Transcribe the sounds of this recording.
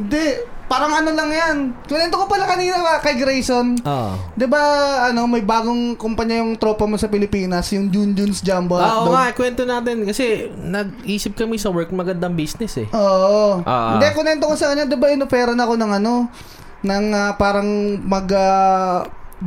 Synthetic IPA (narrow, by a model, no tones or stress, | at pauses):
ɪnd̪ɛpaːɾɐŋɐnolɐŋjankʊnɛnt̪okopɐlakɐniːnɐɐkɐjɡɾɛjʃonoʔd̪ɪbaɐno̞mɐjbaːɡoŋkʊmpɐɲːajʊŋt̪ɾo̞ːpɐmosɐpɪlɪpiːnɐsjʊŋd͡ʒund͡ʒʊnsd͡ʒambɐʔ̪oakwɛnt̪onaːt̪ɛnkɐsɛnɐɡ̚ʔiːsɪp̚kɐmɛsɐwɛɹkmɐɡɐnd̪ɐŋbisnɛsɛʔoːʔoʔo̰ʔnd̪ɛkʊnɛnt̪okosɐkɐɲːad̪ɪbaʔɪnofɛːɾɐnɐko̞nɐŋɐno̞ | nɐŋɐpaːɾɐŋmɐɡa